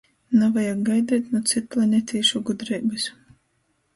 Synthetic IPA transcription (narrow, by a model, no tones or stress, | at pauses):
navajaɡɡajd̪ɛːt̪nut̪sit̪lˠanʲɛt̪ʲiːʃuɡud̪ɾɛjbɨs